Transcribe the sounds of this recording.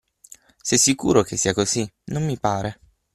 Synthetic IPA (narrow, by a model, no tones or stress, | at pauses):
sɛsːikṵːɾokesːiakozinomːipaːɾe